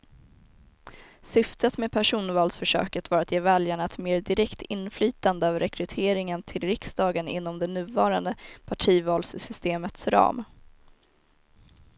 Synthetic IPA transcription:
sʏft̪ət̪mɛpʰæʂuːnvɑːlsfœʂø̰ːkət̪vɑːɾat̪jeːvɛljaɳaɛt̪meːɾdɪɾɛkt̪ʰɪnːflyːt̪and̪əœːvəɾʔɛkʰɾɵt̪ʰeːɾɪŋənt̪ʰɪlɾɪksd̪ɑːɡənɪ̰n̪ːɔmd̪ɛnʉ̟ːvɑːɾand̪əpʰaʈʰiːvɑːlssʏst̪eːmət̪sɾɑ̰ːm

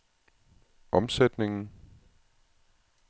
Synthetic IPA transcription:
ʔɒ̽msed̥ne̝ŋn̩

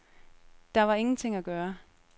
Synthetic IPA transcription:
d̥ɑ̈ʋɑ̈e̝ŋn̩t͡sʰe̝ŋ̰æɡ̥ɶːɐ

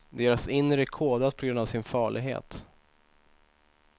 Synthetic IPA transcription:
d̪eːɾasɪnːɾəkʰoːd̪at̪̚pʰɔɡɾɵnd̪avsɪnfɑːɭɪɡɦḛːt̪

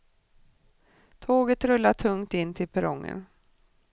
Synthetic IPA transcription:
t̪ʰoːɡət̪ɾɵlːaʈʰɵŋt̪ɪnːt̪ʰɪlpʰɛɾɔŋːə̰n

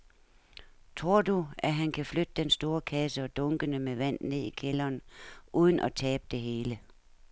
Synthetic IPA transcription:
t͡sʰʁo̝ɐ̰d̥uæɦænkʰæflød̥əd̥ensd̥o̝ːɐkʰæsəɒ̽d̥ɔ̽ŋɡ̥ənəmeʋæn̰ne̝ð̞̰ˠikʰelɐːnʔuð̞ˠn̩ʔɒt͡sʰɛːb̥̚d̥e̝ɦe̝ːlə

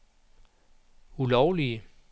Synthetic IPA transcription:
ulɒʊliə

